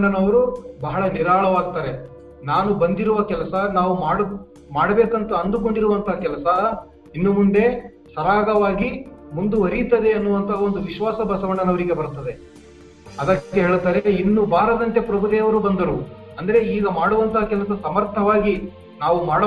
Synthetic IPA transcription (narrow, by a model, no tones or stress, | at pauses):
ɳɖɐnɐʋɐɾubɐɦɐɭɐniɾaːɭɐʋaːɡ̚t̪aːɾe̞ | naːnubɐnd̪iɾuʋɐkɛlɐsɐnaːʋumaːɽu | maːɽɐbeːkɐnt̪ɐɐnd̪uko̞ɳɖiɾuʋɐnt̪ɐɦakɛlɐsɐ | inːumuɳɖe̞ | sɐɾaːɡɐʋaːɡimund̪uʋɐɾijt̪ːɐd̪e̞ɐnːuʋɐnt̪ʰɐond̪uʋiʃʋaːsɐbɐsɐʋɐɳɖɐnɐʋɐɾiɡe̞bɐɾut̪ːɐd̪e̞ | ɐd̪ɐkkːeɦeːɭt̪aːɾeinːubaːɾɐd̪ɐnt̪e̞pɾɐbʱud̪eːʋɐɾubɐnd̪ɐɾu | ɐnd̪ɐɾe̞iːɡɐmaːɽuʋɐnt̪ɐɦaːkɛlɐsɐsɐmɐɾt̪ʰɐʋaːɡi | naːʋumaːɽɐ